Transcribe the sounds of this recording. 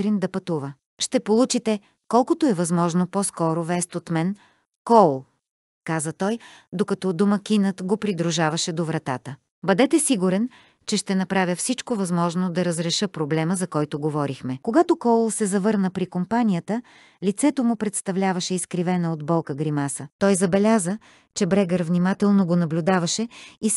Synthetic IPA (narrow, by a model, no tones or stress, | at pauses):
ɾind̪ɐpɐt̪uvə | ʃt̪ɛpolˠut͡ʃit̪ɛ | kɔlˠkot̪oɛvɐzmɔʒnopɔskɔɾovɛst̪ot̪mɛn | kɔlˠ | kazət̪ɔjd̪okɐt̪ɔd̪omɐkʲinət̪ɡopɾid̪ɾuʒavɐʃɛd̪ovɾɐt̪at̪ə | bɐd̪ɛt̪ɛsiɡuɾɛn | t͡ʃɛʃt̪ɛnɐpɾavʲəfsit͡ʃkovɐzmɔʒnod̪ɐɾəzɾɛʃɤpɾoblɛməzɐkɔjt̪oɡovɔɾixmɛkoɡat̪okɔlˠsɛzɐvɤɾnəpɾikompanijət̪ə | lit̪sɛt̪omʊpɾɛt̪st̪ɐvlʲavɐʃɛiskɾivɛnɐod̪bɔlˠkəɡɾimasət̪ɔjzɐbɛlʲazə | t͡ʃɛbɾɛɡəɾvnimat̪ɛlˠnoɡonɐblʲud̪avɐʃɛi